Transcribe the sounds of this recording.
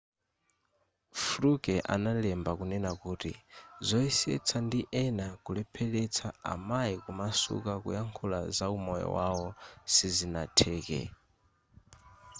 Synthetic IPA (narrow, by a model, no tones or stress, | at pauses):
flukɛʔa̰nalɛmbakunɛnakuːtḭzɔisɛ̰t͡sʰandiʔɛnakulɛpʰɛlɛt͡sʰaa̰maikumasṵkakṵjaŋkʰula̰zaumɔjɔ̰wawɔsizinatʰɛːkɛ̰